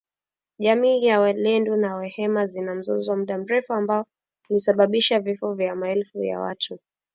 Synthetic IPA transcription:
ʄamiːjawalɛndunawɛhɛmazinam̩zɔzɔwamuɗam̩ɾɛfuambaɔ | lisaɓaɓiʃavifɔvjamaɛlfuja̰wa̰tʰu

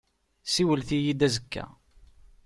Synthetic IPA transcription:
siwəlθijid̪æzəkːæ̰

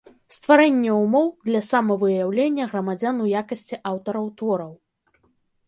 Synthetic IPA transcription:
st̪vaɾɛnʲːɛumɔwd̪lʲɐsamɐvɨjawlʲenʲːɐɣɾɐmad͡zʲanujakɐsʲt͡sʲiʔawt̪ɐɾɐwt̪vɔɾɐw

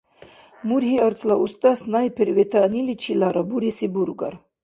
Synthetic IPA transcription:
muɾɦiəɾt͡sʰʼlaʔust̪ʼasnajpʰɛɾvɛt̪ʰanilit͡ʃʰilaɾabuɾisibuɾɡa̰ɾ

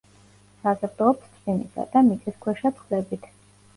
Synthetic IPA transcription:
sazɛɾt̪ʼɔpst̪ʰdinisa̰d̪amit̪sʼiskʰwɛʃat̪sʰχlɛbit̪ʰ

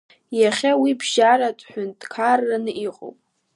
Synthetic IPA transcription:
jaχʲawibʒaɾatʷʼħʷᶣʊntʼkʰarːanɨʔiqʼo̰pʼ

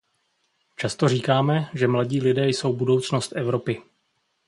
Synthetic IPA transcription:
t͡ʃast̪o̞riːkaːmɛʒɛmlaɟiːlɪdɛːjso̞wbudo̞wt͡sno̞st̪ʔɛvɾo̞pɪ

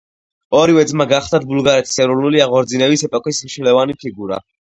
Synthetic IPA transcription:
ɔɾivɛd̪zmaɡaχt̪at̪̚bulˠɡaɾɛt̪ʰi̥sɛɾuɾnuliaʁɔɾd̪zinɛvisɛpʼɔkʼismʃilɛvanipʰiɡuɾa̰

